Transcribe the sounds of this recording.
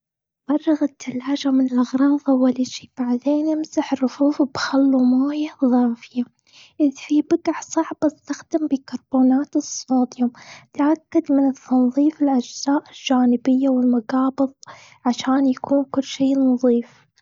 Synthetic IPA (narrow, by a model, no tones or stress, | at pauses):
fɑrˤːɑɣɪt̪ʰːalːaːd͡ʒamɪnɪlʔaɣɾˤɑːðˤʔawaliʃi̥ːb̥aʕd̪eːnʔɪmsaħrʊfuːfbxalːumaːjaðˤɑːfɪja | ʔɪðfibɪɡaʕsˤɑʕbɪst̪axd̪ambikɑɾˤboːnaːt̪ɨsˤoːd̪jʊmt̪ʕakːad̪mɪnɨt̪ːɑnðˤiːfɪlʔad͡ʒz̥aːʔɪld͡ʒaːnɪbɪjːawɪlmaɡɑːbɨðˤ | ʕaʃaːnjakʰuːnkʊlːʃiːnɑðˤiːf